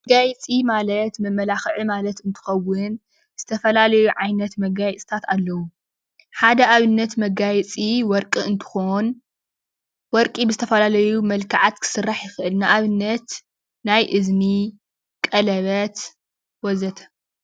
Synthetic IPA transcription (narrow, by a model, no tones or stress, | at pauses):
mɐɡajt͡sʼimalɐt̪mɐmːɐlaxʕɨmalɐt̪ɨnt̪ʰɨ̥xɐwːɨn | z̥ɨt̪ʰɐfɐlalɐjuʕajnɐt̪mɐɡajt͡sʼi̥t̪ʰat̪alːɐwu | ħad̪ɐʔaβɨnːɐt̪mɐɡajt͡sʼiwɔɾkʼɨɨnt̪ʰɨ̥xon | wɔɾkʼibɨzɨt̪ʰɐfɐlalɐjumɐlkʰaʕat̪kʰɨ̥sɨrːaħjɪxɨʔɨlnaʔaβɨnːɐt̪ | najʔɨzni | kʼɐlɐβɐt̪ | wɔzɐt̪ʰɐ̥